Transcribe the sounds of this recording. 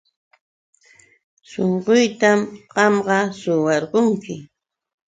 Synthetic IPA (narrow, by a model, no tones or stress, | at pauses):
soɴɢʊjt̪amɢɑmɢɑsʊwɑɾɢoŋkɪ